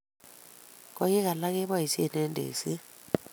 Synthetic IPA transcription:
kɔ˦ji˦k̬a˨la˦k̬ɛ˦βwa˦ɦi˨si˦ɛ˨nɛ˦ndʱḛː˨si˦

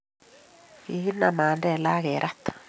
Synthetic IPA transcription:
i˨ɣi˦na˨maː˨ndɛ˦˨la˦ɣe˨ɾʔa˦t̪ːḁ

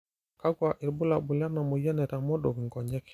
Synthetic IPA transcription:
ka˦ɡwa˨ʔi˨ɾbu˦la˨bu˨lja˦na˨mɔ˨jɛ˦nɛ˨ta˨mɔ˦do˨ki˨ŋɡɔ˨ɲɛ˦k

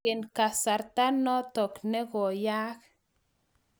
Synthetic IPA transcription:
e˨nka˨sa˨ɾt̪a˦no˦t̪o˨kne˦ɡo˨ja˦k

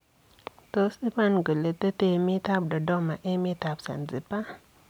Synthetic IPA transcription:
to˨si˦ma˦nɡə˨le˨tə˦te˦mi˦ta˦p̚dɔ˨dɔ˦ma˨ʔe˦mi˦ta˨psa̰˨nzi˨pːa˦

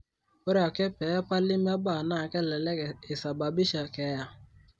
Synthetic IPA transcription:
o˦ɾa˨ke˦pe˨˦pa˦lɪ˦m˦a˦ba˦˨na˦˨ke˦˨le˨le˦˨e˨sa˨ba˨bi˦ʃa˨ke˨˦ja˦

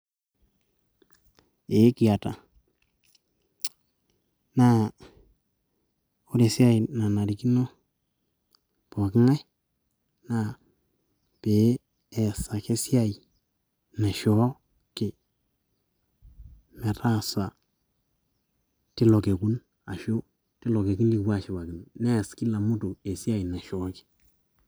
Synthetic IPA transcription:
e˨˦ki˨a˨ta̰˨ | na˦ | o˦ɾe˨sja˦jna˨na˨ɾi˨ki˦no˦ | po˨kɪ˦ŋa˦ | na˨ | pe˨˦ | ɛ˨sa˨ke˦si˦a˦˨i˨ | na˨ʃɔ˨˦ | kɪ˨ | mɛ˨ɾa˦sa˨ | ti˦lɔ˨ke˨ku˦n | a˨ʃo˦ | ti˦lɔ˨ke˨ku˦nli˨wa˦ʃi˨ba˨ɡɪ˨n˨nɛ˦˨ski˦la˨mu˦tu˨e˨sja˦i˨na˨ʃɔ˨˦kɪ̥˦

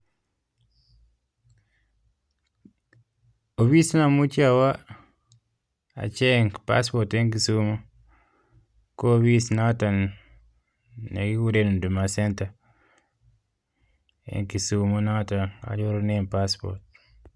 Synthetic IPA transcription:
o˨wi˦sna˨mu˦t͡ʃiawa˦ | a̰˨t͡ʃe˦npa̰spote˦ŋk̬i˨sumo˦ | ko˦wi˦sna˦ta˨n | ne˨ɡi˦wu˦ɾenu˨ndu˨ma˨senta˨ | ḛŋki˨sumona˦tana̰˨d͡ʒo˦ɾnenpaspo̰ɾt̚

